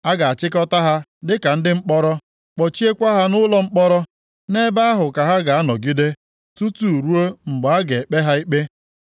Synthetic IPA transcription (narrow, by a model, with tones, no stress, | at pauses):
a˦ɡa˨a˨t͡ʃɪ˦kɔ˦ta˦ɦa˦dɪ˦ka˨n̩˦dɪ˦ŋ͡m̩˦k͡pɔ˦ɾɔ˦ | k͡pɔ˨t͡ʃi˦e˦kʷa˦ɦa˦nʊ˦lɔ˦ŋ͡m̩˦k͡pɔ˦ɾɔ˦ | ne˦ba˦a˦ɦʊ˨ka˨ɦa˦ɡa˨a˦nɔ˨ɡi˦de˦ | tu˦tu˨u˨ɾu˦o˦ŋ͡m̩˨ɡ͡ba˨a˦ɡe˨k͡pe˦ɦa˦i˦k͡pe˦